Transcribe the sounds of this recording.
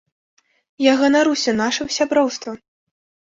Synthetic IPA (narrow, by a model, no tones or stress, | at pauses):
jaɣɐnaɾusʲɐnaʂɐsʲabɾɔwst̪vɐ